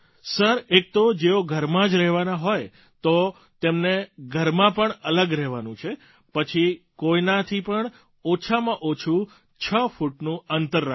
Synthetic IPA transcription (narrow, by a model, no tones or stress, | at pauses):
səɾek̚t̪od͡ʒeoɡʱəɾmãd͡ʒɾɛɦʋanaɦoj | t̪o | t̪emneɡʱəɾmãpəɳələɡɾɛɦʋanũt͡ʃʰe | pət͡ʃʰikoinat̪ʰipəɳ | ot͡ʃʰamãʔot͡ʃʰu | t͡ʃʰəfuʈnũənt̪əɾːa